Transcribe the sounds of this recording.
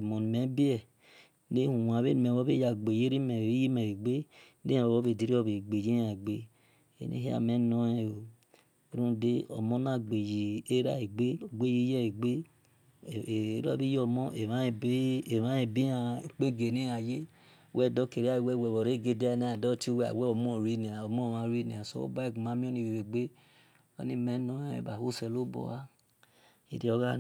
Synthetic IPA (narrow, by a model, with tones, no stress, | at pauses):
e˨mo˨n˨me˨˦bi˦ɛ˦ | ne˦hu˨wa˨βe˦n˨me˨βo˦βe˦ja˨ɡ͡be˨je˦ɾi˦me˨i˦ji˦me˨e˨ɡ͡be˦ | nḛ˦a˨o˨βo˦βe˨di˨˦ɾi˦o˦βe˨ɡ͡be˨d͡ʒe˦a˨ɡ͡be˦ | ḛ˦nḛ˦ɦi˦a̰˨me˦no˦ɛ˦o˨˦ | ɾũ˦˨de˦o̰˨mo˦na˦ɡ͡be˨ji˨e˦ɾa̰˦e˨ɡ͡be˦o˨ɡ͡be˦ji˦jɛ˦e˨ɡ͡be˦˨ | e˦ɾɔ˦bi˦ɔ˧˨mɔ̃˦e˨ã˦i˧˨be˦e˨ã˦e˦˧bi˦a˧˨e˨k͡pe˦˨ɡe˨nĩ˦a˨je˦ | wɛ˦˨dɔ˦ke˨ɾi˨˦a˦i˨wɛ˦˨wɛ˧˨wɔ˨ɾe˨˦˨ɡe˧de˦a˦˧˦nɛ̃˨˦a˨dɔ˦ti˦wɛ˦a̰˨wɛ˦ɔ˨mɔ̃˦˨ɾi˦ni˨a˨o˨mɔ̃˦˨mã˧˨ɾi˦ni˨a˨sɔ̰˦o̰˦ba˦i˦˨ku˨mã˨˦mĩ˦o˦nĩ˧˨wi˨ɾe˨ɡ͡be˦ | o̰˦nĩ˦mɛ˨˦nɔ̃˦ɛ˦ḛ˨ba˨ho˦˨sɛ˧˨lo˦bɔ̰˧a˦ | i˨˦de˦ɔ˧ɡa˦